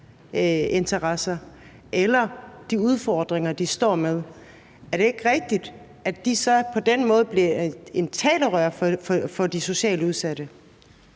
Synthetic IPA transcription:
e̝nt͡sʰɐʁɑsɐ | ʔelɐd̥iuð̞ˠfɒːd̥ʁeŋɐd̥isd̥ɒ̰ːmeð̞ˠ | æɐɾ̥e̝e̝ɡ̥ʁɛɡ̥̚d̥id̥ | æd̥isɒ̽pʰɒ̽d̥enmɔ̽ːð̞̩ˠb̥liɐe̝nt͡sʰɛːlɐʁœɐ̰fffɒ̽d̥iso̝ɕɛ̰ːləuð̞ˠsæd̥ə

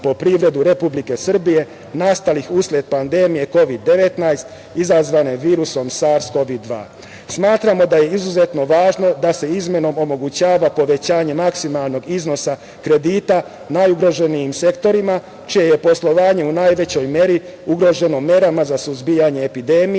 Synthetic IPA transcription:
po̞pɾiʋɾe̞d̪uɾe̞publike̞sr̩bije̞ | nast̪alixuslʲe̞d̪̚pand̪e̞mije̞ko̞ʋid̪ːe̞ʋe̞t̪najst̪ | izazʋane̞ʋiːɾuso̞msaɾsko̞ʋid̪ːʋa̰ː | smaːt̪ɾamo̞d̪aje̞izuze̞t̪no̞ʋaːʒno̞d̪ase̞izme̞no̞mo̞mo̞ɡut͡ɕaːʋapo̞ʋe̞t͡ɕaːɲe̞maksimalˠno̞ɡizno̞sa | kɾe̞d̪iːt̪a | najuɡɾo̞ʒe̞nijimse̞kt̪o̞ɾima | t͡ʃijeje̞po̞slˠo̞ʋaːɲe̞unajʋe̞t͡ɕo̞jmje̞ɾi | uɡɾo̞ʒe̞no̞mje̞ɾamazasuzbijaɲe̞ːpid̪e̞ːmi

